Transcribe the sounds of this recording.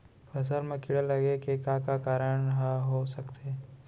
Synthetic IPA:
pɐs̬əɾmẽkɪɽəlɐɡekekãkakaːɾəɳ̃ɦaɦosɐkt̪ʰeː

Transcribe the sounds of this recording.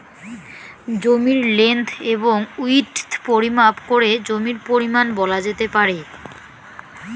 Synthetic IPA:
d͡ʑomiɾlent̪ʰeboŋuiʈt̪ʰpoɾimapkoɾed͡ʑomiɾpoɾimanbɔlad͡ʑet̪epaɾe

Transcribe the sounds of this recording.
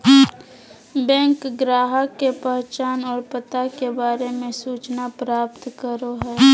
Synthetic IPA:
bɛ̃ːŋkɡɾaːɦəkːepəɦt͡ʃaːnɔːɾpət̪akebaːɾemẽsuːt͡ʃnapɾaːp̚t̪kəɾoɦɛː

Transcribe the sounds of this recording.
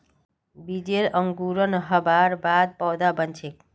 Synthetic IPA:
bid͡ʒeɾəŋɡuɾənʌɦəbaɾbad̪̚pɔwd̪abənt͡ʃʰek

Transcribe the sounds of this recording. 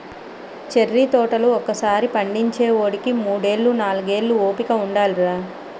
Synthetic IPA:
t͡ʃerːit̪ɔːʈɐluɔkɐsaːɾipɐɳɖiɲt͡ʃeːʋoːɽikimuːɽe̞ːɭːunaːluɡe̞ːɭːuoːpikɐuɳɖaːluɾaː

